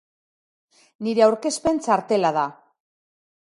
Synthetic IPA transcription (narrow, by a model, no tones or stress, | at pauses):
niɾe̞awɾke̞spe̞nt͡saɾt̪e̞laða